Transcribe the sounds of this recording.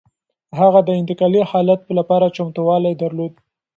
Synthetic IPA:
ɦaɣad̪əɪnt̪ɪkɑlihɑlat̪̚plapɑɾat͡ʃamt̪uwɑlajd̪aɾlod̪̚

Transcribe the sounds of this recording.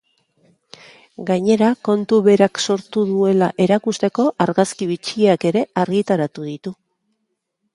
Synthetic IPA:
ɡaɲe̞ɾako̞nt̪uβe̞ɾakso̞ɾt̪uðue̞laʔe̞ɾakust̪e̞ko̞ʔaɾɣaskiβit͡ʃiake̞ɾe̞aɾɣit̪aɾat̪uðit̪u

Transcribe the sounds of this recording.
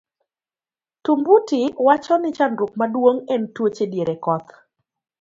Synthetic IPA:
tʊmbutɪwat͡ʃɔnɪt͡ʃanɾʊk̚madwoŋɛntwot͡ʃedjeɾekɔt̪

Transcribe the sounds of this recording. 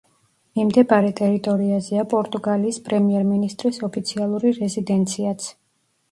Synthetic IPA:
mimd̪ɛbaɾɛt̪ʼɛɾit̪ʼɔɾiazɛapʼɔɾt̪ʼuɡaliːspʼɾɛmiɛɾminist̪ʼɾisɔpʰit̪sʰialˠuɾiɾɛzid̪ɛnt̪sʰiat̪sʰ

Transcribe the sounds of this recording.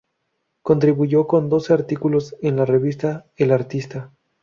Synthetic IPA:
ko̞nt̪ɾiβuʝo̞ko̞nd̪o̞se̞aɾt̪ikulo̞senlare̞βist̪aelaɾt̪ist̪a

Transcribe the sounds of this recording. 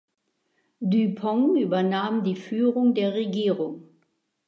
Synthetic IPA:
dypʰɔŋyːbɐnaːmdiːfyːʁʊŋdeːɐʁeɡiːʁʊŋ

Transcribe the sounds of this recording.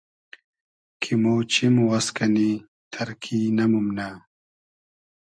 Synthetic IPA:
kʰimoːt͡ɕʰimwɐskɐni | t̪ʰɐɾkʰiːnɐmumna

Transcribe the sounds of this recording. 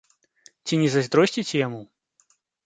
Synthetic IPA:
t͡sʲinʲɛzazʲd̪ɾɔsʲt͡sʲit͡sʲɛjamu

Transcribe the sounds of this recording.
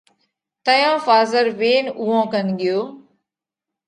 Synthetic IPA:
t̪əjãːfaːzəɾʋeːnuːãːkənɡɪjoː

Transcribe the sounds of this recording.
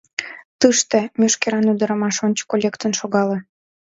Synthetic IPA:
t̪ɨʃt̪ĕmʲøʃkeɾɑnyd̪ə̆ɾə̆mɑʃonʲt͡ɕə̥kolʲekt̪ənʃoɣɑlĕ

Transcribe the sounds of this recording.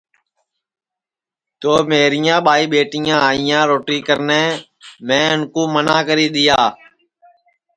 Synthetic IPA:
t̪oːmeːɾɪjãːɓaːiːɓeːʈɪjãːaːɪjãːɾoːʈiːkəɾneː | mẽːʊnkoːmənaːkəɾiːɗ̪ɪjaː

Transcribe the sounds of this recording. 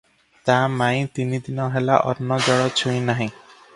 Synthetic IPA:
t̪amaĩt̪inid̪inɔɦelaʔɔnːɔd͡ʒɔɽɔt͡ɕʰujnaɦĩ

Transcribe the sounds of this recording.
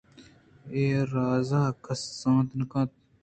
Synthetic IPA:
eːɾɑːzakʰɐsːɑ̃ːt̪nkɑ̃ːt̪̚

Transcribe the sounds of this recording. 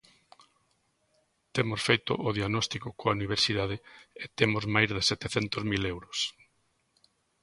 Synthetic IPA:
t̪emosfejt̪o̰ʔoðiaɣnɔst̪ikokoauniβ̞eɾsiðað̞eet̪emozmajzðesɛt̪eθɛnt̪ozmilewɾʊs

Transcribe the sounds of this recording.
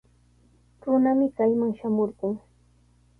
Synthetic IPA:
ɾʊnamɪkajmaŋʃamoɾɢʊŋ

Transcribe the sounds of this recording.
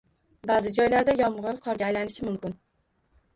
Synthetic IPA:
bæːzɨd͡ʒɒjlæɾd̪ɛjɒmʁəɾɨqʰɑɾɡʲɛːjlænɪʃɪmumkʲʊn

